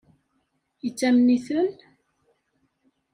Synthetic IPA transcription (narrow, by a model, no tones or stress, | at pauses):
jət͡sːæmniθən